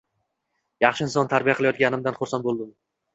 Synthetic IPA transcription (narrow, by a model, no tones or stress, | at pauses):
jɑχʃɪɪnsɒnt̪ʰaɾbijaqʰɨlˠajɒt̪̚ɡʲanɪmd̪anχʊɾsanbolˠd̪ɪm